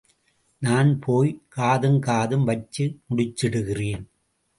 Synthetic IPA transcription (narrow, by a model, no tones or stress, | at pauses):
naːnpʰoːjkaːðɯmkaːðɯmʋɐt͡ʃːɯmʊɽɪt͡ʃːɪɽɯɣɪreːn